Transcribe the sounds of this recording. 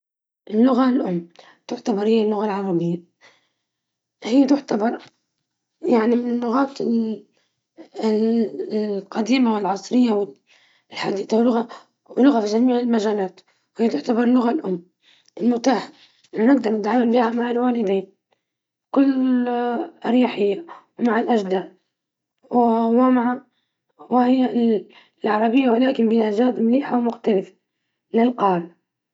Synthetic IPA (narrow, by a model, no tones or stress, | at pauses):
ʔɪlːʊɣalʔʊmː | t̪ʊʕt̪abɑɾˤhɪjːalːʊɣalʕɑɾˤɑbɪjːa | hɪjːat̪ʊʕt̪abɑɾˤ | jaʕnimɪnɪlːʊɣaːt̪ɪ | qɑd̪iːmawɪlʕɑsˤɾɪjːawɪ | lħad̪iːt̪awɪlːʊɣa | wɪlːʊɣafiʒamiːʕɪlmaʒaːnaːt̪ | hijːat̪ʊʕt̪abɑɾˤlːʊɣalʔʊmː | ʔɪlmʊt̪aːħ | ɪnanɪɡ̚d̪ɑɾˤnɪt̪ʕaːmalbiːhamaʕalwaːlɪd̪iːn | kʊlː | ɾjaːħɪjːawmaʕalʔaʒd̪aːd̪ | wwɪmaʕa | wɪhɪjːa | lʕɑɾˤɑbɪjːawalaːkɪnbɪʔaʒaːd̪mliːħawmʊxt̪alɪf | lɪlqɑːl